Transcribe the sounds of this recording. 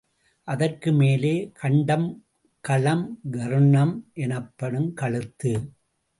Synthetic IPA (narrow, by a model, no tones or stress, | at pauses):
ʔɐðɐrkɯmeːleːkʰɐɳɖɐm | kɐlɐmɡɐɾɯnɐmʔɛnɐpːɐɽɯmkɐɭɯt̪ːɯ